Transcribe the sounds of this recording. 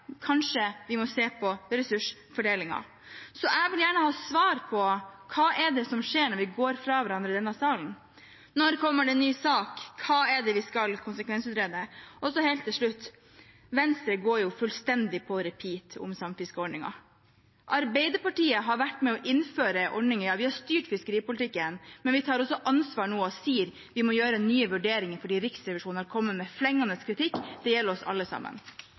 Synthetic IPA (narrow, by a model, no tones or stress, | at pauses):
kʰɑnʂəʋɪmɔseːpʰɔɾɛsʉʂfɔɖeːlɪŋɑ̰ | sɔʔɛɡʋɪljæːɳəhɑːsʋɑːɾpʰɔkʰɑːʔɛɖɛsɔmʂeːɳɔɾʋɪɡoːɾfɾɑʋæɾɑnd̪ɾəɪd̪ɛnːɑsɑːln̩ | nɔɾkʰɔmːəɖɛnːyːsɑːkʰːɑːɛɖɛʋɪskɑlkʰʊnsəkʰʋɛnsʉːt̪ɾeːd̪əʔɔsɔhɛɪlt̪ʰːɪlʂɭʉt̪ː | ʋɛnst̪ɾəɡoːɾjʊfʉlst̪ɛnd̪ɪpʰɔɾɛpʰiːt̪ʰʊ̰msɑmfɪskəɔɖɳɪŋɑ̰ | ʔɑɾbɛɪd̪əɾpɑʈiːəɦɑɾʋæʈːmɛɔʔɪnføːɾəʔɔɖnɪŋəɾjɑːʋɪhɑɾst̪yːʈfɪskəɾiːpʊlt̪ɪkːənmɛnʋɪt̪ʰɑːɾɔsːɔʔɑnsʋɑːɳoːɔsiːəɾ | ʋɪmɔjøːɾənyːəʋʉɖeːɾɪŋəɾfɔɖiːɾɪksɾɛʋɪʂuːnhɑɾkʰɔmːəmɛflɛŋːɑnəskʰɾɪt̪ɪkːd̪̥ɛjɛlːəɾɔsɑ̰lːəsɑ̰mːə̰n